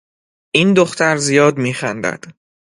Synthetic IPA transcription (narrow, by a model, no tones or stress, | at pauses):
ʔiːnd̪oxt̪æɾzijɒːd̪miːxænd̪æ̰d̪̥